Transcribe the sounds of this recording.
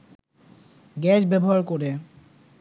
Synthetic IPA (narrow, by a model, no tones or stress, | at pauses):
ɡɛt͡ɕbɛboɦaɾkoɾe